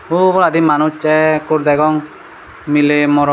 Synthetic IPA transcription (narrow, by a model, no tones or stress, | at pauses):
ubɔɾad̪imanut͡ʃɛkuɾd̪ɛɡɔŋ | milemɔɾɔ